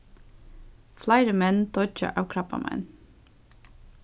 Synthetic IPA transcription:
flæɪɾəmɛnt̪ʰɔt͡ʃə̰ʔɑːʋkʰɾɑpɑ̰mʔæ̰ɪn

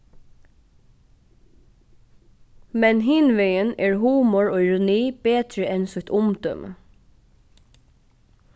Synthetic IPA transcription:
mɛnɦɪnʋɛjənɛːɹɦuːmɔɹoːɪɹʊniːbeːt̪ɹəɛnsʊt̪ʰʊmt̪œ̰m

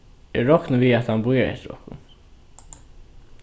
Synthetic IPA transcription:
ɛɹːɔhknəviat̪hanbujaɹhɛ̰t̪ɾɔ̰hkʊ̰n

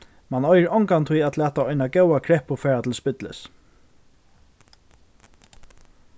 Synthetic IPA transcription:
manɔjɹɔŋkant̪ʰʊjæt̪læːt̪aɔjnaɡɛwakʰɹɾɛhpʊfɛːɹat̪ʰɪlspɪt̪lɪ̰s

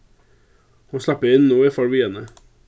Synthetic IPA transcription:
oːslɑpəɪnːuːɪfoːɽʋɪɛnə

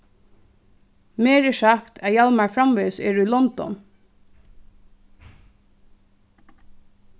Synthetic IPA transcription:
meːɹɪʃaft̪ʰæjalmaɹfɾamʋeːsɛːɹʊilɔnt̪ɔ̰n

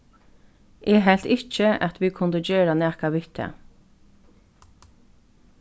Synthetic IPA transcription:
ʔeːɦɛlt̪ɪc͡çəʔɑt̪ʰʋiːkʰʊnd̪əd͡ʒøːɹɑnɛːkɑʋʏt̪ʰə̰

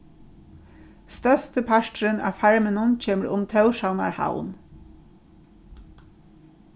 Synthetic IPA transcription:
st̪œst̪əpʰæʃtɹənæ̰ːfæɹmənʊnc͡çeːməɾʔʊ̰mt̪ʰɑʉʃɑʊnɑ̰ɹha̰ʊn

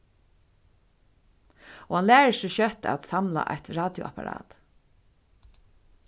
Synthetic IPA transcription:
ɔhanlæːɹəsɔʃœt̪a̰t̪samla̰ʔa̰jt̪ɹaːd̪jʊ̰a̰paɾɑ̰ːt̪

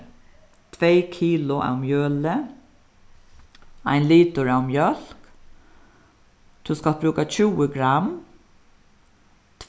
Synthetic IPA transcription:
t̪ʰʋeɪkʰiːlʊʔɛ̰mjøːlə | a̰ɪnliːt̪ʊɹɛmjœl̥k | t̪ʰʉskalbɾʉːkat͡ɕʰʉːəɡɾam | t̪ʰ

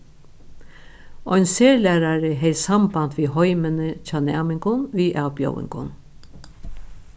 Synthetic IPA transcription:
ɔʏnseːɹlæːɾaɾəɦɛjsambant̪ʋiːɦɔjmənəcɑːnæ̰ːmɪŋkʊnʋiːʔaːbjo̰wɪ̰ŋkʊ̰n

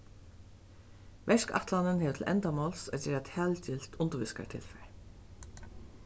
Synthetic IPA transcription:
ʋɛʂka̰ht̪lanɪnhɛːʋɪt̪ʰɪlʔɛ̰nt̪amɔlsa̰t͡ɕɛːɹat̪ʰæːlt͡ɕɪl̥t̪ʊnt̪ʊʋɪska̰ɹt̪ʰɪ̰lfɛɹ

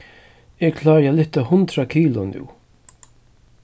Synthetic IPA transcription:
ɛkʰlaːɾjalɪht̪ːahʊnt̪ɾakʰiːlʊnṵw

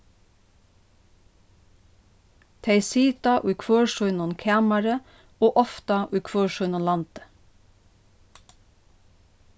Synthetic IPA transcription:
t̪ʰeɪsiːt̪ɑʔʉːkʰʋøːʃɔʏnʊnkʰæːmɑɾə | oːʔɔft̪ɑʔʉːkʰʋøːʃɔʏnɔnlɑnt̪ə̥

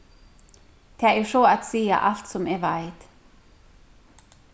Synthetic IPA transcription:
d̪̥ʰɛːæʂoːat̪siːa̰ʔalt̪sɔmɛʋaɪt̪

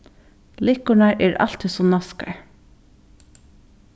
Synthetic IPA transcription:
lɪkʊɳaɹʔɛːɹɑ̰l̥t̪ʰisɔnɑska̰ɹ

